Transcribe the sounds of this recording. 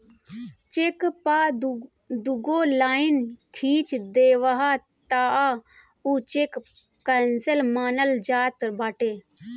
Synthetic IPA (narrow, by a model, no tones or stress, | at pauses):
t͡ʃekpaː | d̪uɡoːlaːɪnkʰiːt͡ʃd̪eːʋaɦa | t̪aːa | ut͡ʃek | kɐnselmaːnəld͡ʒaːt̪ɾbaːʈeː